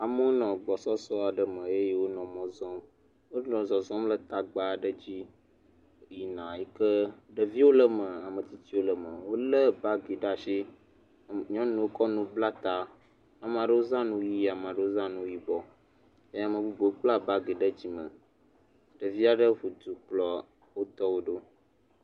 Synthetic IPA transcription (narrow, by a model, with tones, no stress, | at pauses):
a˨mə˦wo˦nɔ̃˨ɡ͡bɔ˨sɔ˦sɔ˦a˨ɖə˨mə̃˨e˦je˦wo˦nɔ̃˨mɔ̃˨zɔ̃˦m | wo˦nɔ̃˨zɔ̃˨zɔ̃˦mlə˦t̪a˨ɡ͡ba˨ɖə˦d͡ʑi˦ | ji˨nã˨ji˦kə˦ɖə˨vi˦wo˦lə˦mə˨a˨mə̃˨t̪i˦t̪i˦wo˦lə˨mə˨wo˦lə˦ba˦ɡe˨ɖa˨ʃe˦ | ɲɔ̃˦nũ˨wo˦kɔ˦nũ˦bla˦t̪a˨ | a˨m˨ã˨ɖə˦wo˦zã˦nũ˦ji˦a˨m˨ã˨ɖə˦wo˦zã˦nũ˦ji˦bɔ˨ | e˦ja˨mə̃˨bu˦bo˨˦k͡pla˦ba˦ɡe˨ɖə˦d͡ʑi˦mə̰˨ | ɖə˨vi˦a˨ɖə˦ɸu˨d̪u˨k͡plɔ˨ | wo˦t̪ɔ˦wo˦ɖo˦